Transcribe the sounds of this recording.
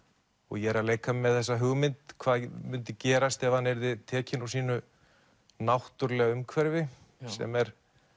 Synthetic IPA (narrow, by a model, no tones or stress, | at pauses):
ɔ̰ɣjɛɾaðleːjkamɛðθɛsːaɦʏɣmɪnt̪kʰvaːðmʏnt̪ɪcɛːɾast̪ɛvhanɛɾðɪt̪ʰɛːcɪnawsiːnʏ | nawht̪ʏɾlɛɣaʏmkʰvɛɾvɪ | sɛ̰mɛɾ̥